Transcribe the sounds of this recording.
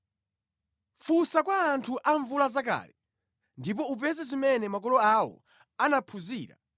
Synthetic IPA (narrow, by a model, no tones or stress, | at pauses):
fusakwaːntʰuʔaɱvulazak̬a̰ːlɛ | ndip̬ɔup̬ɛzɛzimɛnɛmak̬ɔlɔawɔ̰ | anapʰuziːɾa̰